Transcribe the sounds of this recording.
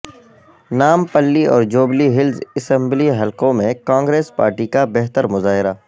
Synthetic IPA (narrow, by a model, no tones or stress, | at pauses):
naːmpəlːiɔ̰ːɾd͡ʒoːbliɦɪlzɪsə̃mbliɦɐlkõmẽkãːŋɡɾeːspa̰ːɾʈikabɛɦt̪əɾmʊzaːɦɪɾaː